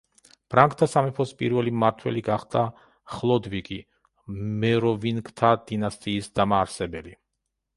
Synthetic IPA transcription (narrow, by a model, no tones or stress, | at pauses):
pʰɾaŋkʰʼt̪ʰasamɛpʰɔspʼḭɾvɛlimaɾt̪ʰwɛ̰liɡaχd̪a | χlˠɔd̪vikʼi | mɛɾɔvinkʼt̪ʰad̪̥inast̪ʼiːsd̪̥amaːɾsɛbɛli